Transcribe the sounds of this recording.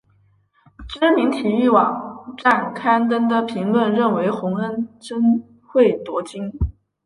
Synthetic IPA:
ʈ͡ʂə˥mi˧˥ŋt̪ʰi˨˩y˥˩wɑ̰˨˩˦ŋʈ͡ʂa˥˩nkʰa˥ntd̪ə˥nd̪ə˨pʰi˧˥ŋlwə˥˧nɻə˥˩nwe˧˥ɪxʊ˧˥ŋə˥nʈ͡ʂə˥n | xwe˥˩ɪt̪wɔ˧˥t͡ɕi˥ŋ

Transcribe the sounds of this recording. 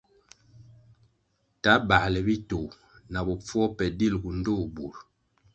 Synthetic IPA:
ta˨˦ba˨ʔlɛ˨bi˦to˨ | na˨bo˨p͡fwɔ˦pɛ˨di˦˨lɡu˨n̩˦do˦˨bu˨ɾ

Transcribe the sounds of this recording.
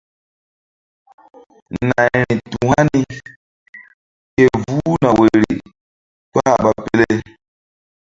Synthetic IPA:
na˨ɛ˨ɾi˨tu˨ha˦ni˦ | ke˨vu˦na˨we˨ɾi˨ | k͡pa˦˨ɓa˦pe˦le˦

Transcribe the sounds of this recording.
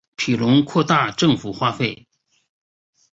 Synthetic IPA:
pʰi˨˩lʊ˧˥ŋkʰwɔ˥˧t̪a˥˧ʈ͡ʂɤ˥˩ŋfu˨˩xwa˥˧fe˥˩ɪ

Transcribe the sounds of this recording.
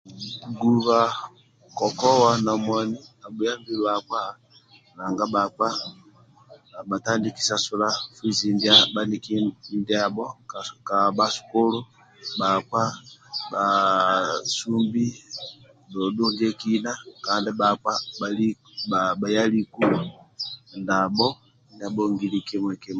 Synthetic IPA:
ɡu˨βa˨ | kɔ˨kɔ˦wa˨na˨mwɔ˨ni˦a˨bu˨ja˦mbi˨lwa˨kwa˦ | na˨ŋɡa˦ba˨k͡pa˦˨ | ba˨ta˦ndi˦ki̥˨sa˨su˨la˦fwi˦zi˨ndia˦ba˦ni˨ki˦nda˨bɔ˦ka˨ba˦su̥˨ko˦lu˦ | ba˨kwa˦ba˨ | su˦mbi˦ | dɔ˨du˦ɲd͡ʒɛ˦ki˦na˦ka˨ndɛ˦ba˨kwa˦ba˨li˦ | aba˨ja˦li˦ku˦ | nda˨bɔ˦ | nda˨bɔ˦ŋɡi˨li˨kɛ˦mwɛ˨kɛ˦m

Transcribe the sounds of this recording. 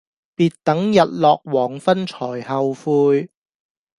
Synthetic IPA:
piː˨˧t̚t̪ɐ˨˥ŋjɐ˨t̚lɔː˨k̚wɔː˨˩ŋfɐ˥nt͡ʃʰɔː˨˩jhɐ˨˧wfuː˧j

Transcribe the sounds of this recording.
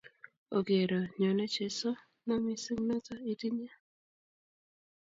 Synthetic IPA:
o˨ɡje˨ɾo˨ɲɔ˨nɛ˦t͡ʃe˨sɔ˦ | na˦mi˦si˦m˦nɔ˦ta˦i˨ti˦ɲ˦a˦

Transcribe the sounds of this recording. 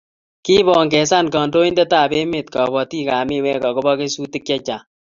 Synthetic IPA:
ki˦bɔ˨ŋɡɛ˨sa˦nkɔ˨ndo˦i˦ndɛ˦taː˦˨be˦me˨t̚kɔ˨bɔ˨ti˦ka˨mɪ˦˨wɛ˦kɔ˨ko˦bɔ˦ke˦su˦ti˦kjɛ˦t͡ʃa˨

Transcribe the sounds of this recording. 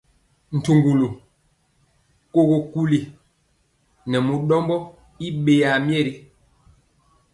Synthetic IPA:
n̩˨tu˨ŋɡu˨lo˨ | ko˦ɣo˨ku˦li˨ | nɛ˨mu˨ɗɔ˦mbɔ˦ | i˦ɓe˨ja˨mjɛ˦˨ɾi˨

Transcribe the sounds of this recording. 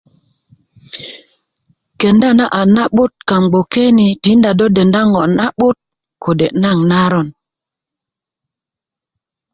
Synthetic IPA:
ke˨nda˦˨na˦ʔa˨na˦ɓu˦t̚ka˨ŋɡ͡bo˨ke˦ni˨ti˨˦nda˨do˦de˨nda˦ŋo˨ʔna˦ɓu˦t̚ | kʰo˨de˨ʔna˦˨ŋna˦ɾo˦˨n

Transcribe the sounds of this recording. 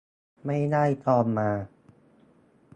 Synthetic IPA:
ma˥˩jdaː˥˩jt̪ɔː˧mːaː˧

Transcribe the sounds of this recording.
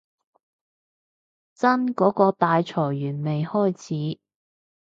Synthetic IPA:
t͡sɐ˥nkɔː˨˥kɔː˧t̪aː˨˧jt͡sʰɔː˨˩jːyː˨˩nme˨jhɔː˥˩jt͡sʰiː˨˥

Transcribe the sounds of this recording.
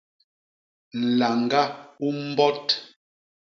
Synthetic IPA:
n̩˨la˨ŋɡa˦u˦m˦bɔ˦t

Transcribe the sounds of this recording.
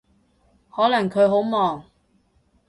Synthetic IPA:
hɔː˨˥lɐ˨˩ŋkʰɵ˨˧ɦo˨˥wmɔː˨˩ŋ

